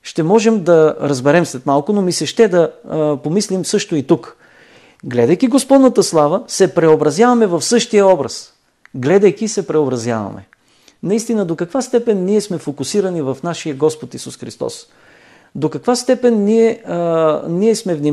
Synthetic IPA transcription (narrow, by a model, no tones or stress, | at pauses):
ʃt̪ɛmɔʒɛmd̪ɐɾɐzbɛɾɛmslɛt̪malˠkʊnomisɛʃt̪ɛd̪ɐpomislimsɤʃt̪oit̪uk | ɡlɛd̪əjkiɡospɔd̪nət̪əslˠavəsɛpɾɛobɾɐzjavɐmɛvɐfsɤʃt̪ijəɔbɾə̰s | ɡlɛd̪əjk̟isɛpɾɛobɾɐzja̰vɐ̰mɛ̰ | nɐist̪inəd̪okɐkvast̪ɛpɛnːiɛsmɛfokʊsiɾənivɐfnaʃijəɡɔspot̪isusxɾḭst̪ɔ̰s | d̪okɐkvast̪ɛpɛnːiɛ | niɛsmɛvni